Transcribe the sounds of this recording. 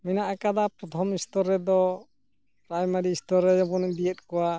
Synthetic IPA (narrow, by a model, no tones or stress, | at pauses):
minaʔakad̪apɾɔt̪ʰɔmist̪ɔɾːɛd̪ɔ | pɾajmaɾiːst̪ɔɾːɛd͡ʒɔbɔnd̪ijət̪̚ˀkɔwa